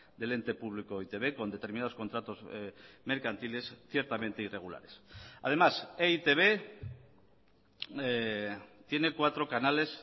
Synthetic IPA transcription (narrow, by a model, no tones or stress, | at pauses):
d̪e̞le̞nt̪e̞puβ̞likoit̪e̞βe̞ko̞nd̪e̞t̪e̞ɾminað̞o̞sko̞nt̪ɾat̪o̞zme̞ɾkant̪ile̞sθje̞ɾt̪ament̪eire̞ɣ̞ula̰ɾe̞sa̰ð̞e̞maseit̪eβ̞e | t̪je̞ne̞kwat̪ɾo̞kanale̞s